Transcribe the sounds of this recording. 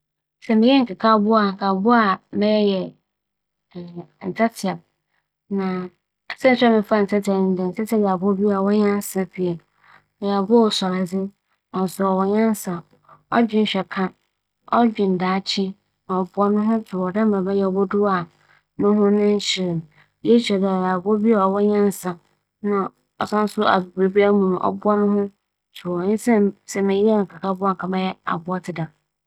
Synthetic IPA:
sɛ˨mɪ̃˨jɛ˦ŋ̩˨kʰa˨kʰa˦bʊ˦a˨ŋ̩˨kʰa˨bʊ˦a˨mɛ̃˦ɛ˦jɛ˨ | n̩˨tʰa˦tʰɪ˨a˨b̚ | nã˨ | sɛ̃˦n̩˦sᶣa˦mɪ̃˨fa˦˨n̩˨t͡sʰɛ˦tʰɛ˨n̩˦dɛ˨n̩˨t͡sɛ˦tʰɛ˦bi˨a˨bɔ˦bi˦a˨wɔ˦ɲã˦n˦sã˦pi˨e˨ | ja˨bɔ˦˨sɔ˨ɾa˨d͡zɪ˦ | nɔ˨zʊ˨ɔ˨wɔ˨ɲã˦n˦sa˨ | ɔ̰˦d͡ʑᶣɪ˦n̩˨ɕᶣɛ˨kʰã˦ | ɔ˦d͡ʑᶣɪ̃˨n̩˨daː˨˦t͡ɕʰɪ˦ | nã˨ɔ˨bʊ˦ɔ˦nʊ̃˦ɦʊ̃˦tʰʊ˨wɔ˨dã˦m˦ã˨bɛ˦jɛ˦ɔ˨bɔ˦dʊ˦a˨ | nʊ̃˦ɦʊ̃˦nʊ̃˦ɲ̩˦ɕɪ˨ɾɪ˨m | jɛ˦t͡ɕɛ˨da˨ja˨bʊ˦ɔ˦bi˦a˨ɔ˨wɔ˦ɲɛ̃˦n˨˦sã˨ | nã˦ | ɔ˨sã˦n˦sʊ˦a̰˨bʊ˨be˨bi˦a˦mũ˨m̃˨ʔɔ̰˦bʊ˦a˦nʊ̃˦hʊ̃˦ | tʰʊ˨wɔ˨˦ɪ˦sɛ̃˦msɛ˨mɪ̃˨jɛ˦˨ŋ̩˨kʰa˨kʰa˦bʊ˦a˦˨ŋ̩˨kʰa˨mã˦jɛ˦a̰˨bʊ˦ɔ˦tʰɪ˨dã˨

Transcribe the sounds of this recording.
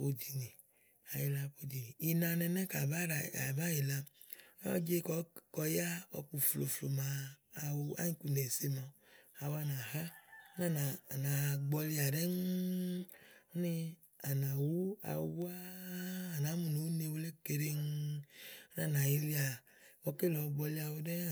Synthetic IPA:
po˦di˨ni˨ | a˨ji˦la˦po˦d͡ʒi˨ni˨i˨nã˨nɛ˨nɛ̃˦ka˨ba˦˨a˨ba˦ji˨la˦ | ɔ̰˦d͡ʒe˦kkɔ˨ja˦ɔ̰˨k͡pu˨flo˨flo˨mãː˨wo˦a̰˦ɲĩ˦ku˨ne˨se˦mɔ̃˨a˨wo˦a˦nã˨ɦa˦o˦na˦˨na˨na˨ɡ͡bɔ˧li˧a˨dɛ˦ŋ˦ | o˦ni˦ | a˨nã˨wu˦a̰˨˧˦wu˦aː˦˨ | na˨˦mu˨no˨wu˦ne˧˨wo˦le˦ke˧ɾe˧ŋ | o˦na˦˨na˨ji˧li˦a˨ | wɔ˧ke˦˨lɔ˨˧ɡ͡bɔ˧li˧˦a˧wo˧dɛ˦a˦˨

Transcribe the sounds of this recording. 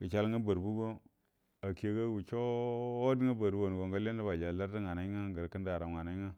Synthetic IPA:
ɡə˨t͡ʃa˦lŋa˦bə˨ɾbu˦ɡo˦ | a˨ki˦e˨˦ɡa˦ɡu˨t͡ʃo˦o˦di˦ŋa˦ba˨ɾu˦wo˨n˨ɡo˨ŋɡa˦le˦n˦da˦ba˨d͡ʒa˨la˦ɾti˦ŋa˨na˦ŋa˦ɡə˨ɾkə˦nda˨ɾa˨ŋa˨na˨˦i˦ŋa˦

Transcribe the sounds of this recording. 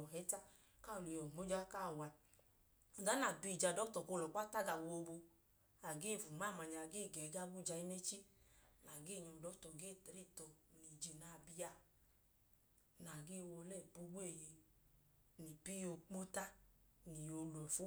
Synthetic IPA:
ɔ˨ɦɛ˨˦ta˦ | ka˦˨lo˨jɔ˨mo˨˦d͡ʒa˦ka˦˨wa˧˨ | ɡa˨˦na˨bi˧˨d͡ʒa˧˨dɔ˦tɔ˨ko˧lɔ˨k͡pa˦ta˦ɡa˨wo˧bo˧ | a˨ɡeː˦˨vu˨ma˦˨ma˨ɲa˨ɡeː˦˨ɡɛ˨˦ɡa˦ɡu˦˨d͡ʒa˧i˦ne˦t͡ʃi˦na˨ɡe˦˨ɲɔ˧˨dɔ˨˦tɔ˨ɡe˦˨te˨ɾi˦˨tɔ˨ni˨d͡ʒi˨na˨˧˨bi˧ja˧˨ | na˨ɡe˦˨wo˧lɛ˦˨pu˦bu˦e˦˨je˧ | ni˨pi˦jo˧k͡po˦ta˦ni˨jo˧lu˨ɛ˨fu˦

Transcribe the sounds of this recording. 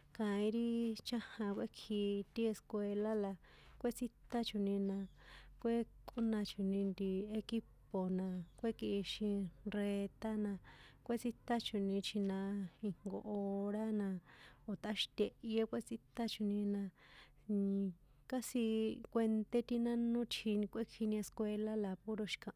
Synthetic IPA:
kã˧ĩ˦ɾi˦t͡ʃã˦hã˧kʷe˦kʰi˧t̪i˦e˧skʷe˧la˦la˧ | kʷe˦t͡si˦t̪a˦t͡ʃu˨nĩ˧nã˧ | kʷe˦kʼu˦nã˧t͡ʃu˨nĩ˧nd̪i˧e˧ki˦po˨nã˨˧kʷe˦ki˧ʔʃĩ˧re˧t̪a˦nã˧kʷe˦t͡si˦t̪a˦t͡ʃu˨nĩ˧t͡ʃʰi˧nã˧i˧ŋ̥ɡo̰˧˨ʔo˧ɾa˦nã˧o˨t̪a˦ʃi̥˦t̪ʲe˧ʔje˦kʷe˦t͡si˦t̪a˦t͡ʃu˧˨nĩ˧nã˧ | ka˦si˧kʷe˧nt̪e˦t̪i˦nã˦nũ˦t͡ʃʰi˧nĩ˧kʷe˦kʰi˧nĩ˧e˧skʷe˧la˦la˧pu˦ɾo˧ʃi̥˧kã˧ʔ

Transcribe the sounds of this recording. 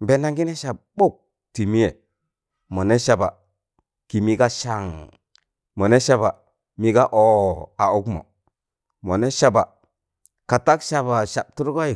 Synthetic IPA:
be˨na˦ŋɡi˦ne˦ʃa˨b̚ɓo˦˨k̚ | ti˨mi˦je˨ | mo˨ne˦ʃa˨ba˨ | ki˨mi˦ka˦ʃa˦˨ŋ | mo˨ne˦ʃa˦ba˨ | mi˦ka˦ʔo˦a˨u˦kmo̰˨ | mo˨ne˦ʃa˦ba˨ | ka˨ta˦kʃa˦ba˨ʃa˨b̚tu˦ɾko˦i˨

